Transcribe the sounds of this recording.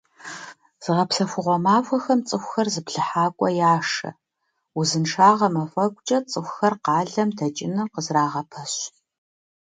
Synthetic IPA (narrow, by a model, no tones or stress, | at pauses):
z̥ɨʁɐpsɐfʷʊʁʷɔmaːfʷɐxɐmt͡sʼɨxʷxɐrzɨpɬɨħaːkʷʼɔjaːʂɐ̰ | uzɨnʂaːʁɐmɐfʼɐkʷʼt͡ʃʼɐt͡sʼɨxʷxɐrqɑːɮɐmdɐt͡ʃʼɪnɨrqəzraːʁɐpʰɐɕ